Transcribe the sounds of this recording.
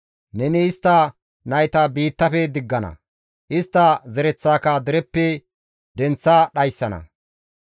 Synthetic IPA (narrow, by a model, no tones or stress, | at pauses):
nɛnɪːst̪ːɐ | nɐjt̪ɐbiːt̪ːɐfɛd̪ɪɡːɐnɐ̰ | ʔɪst̪ːɐzɛɾɛt͡sːaːkɐd̪ɛɾɛpːɛ | d̪ɛnt͡sːɐɗɐjsːɐnɐ̰